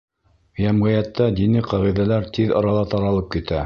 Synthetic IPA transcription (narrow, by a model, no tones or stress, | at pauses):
jæmʁɘ̆jæt̪ːæd̪inɘqɑʁiðælæɾt̪iðɑ̰ɾɑlˠɑt̪ɑɾɑlˠɤp̚kit̪æ